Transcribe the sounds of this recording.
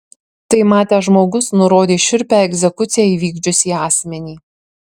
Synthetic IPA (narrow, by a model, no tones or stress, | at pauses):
t̪ɐɪmɑːt̪ʲɛːʒmoːɡʊsnʊɾoːd̪ʲeːʃʲɪɾʲpʲæɛɡʲzʲɛkʊt̪sʲɪjæiːʋʲiːɡd͡ʒʲʊsʲiːɑːsʲmʲɛnʲiː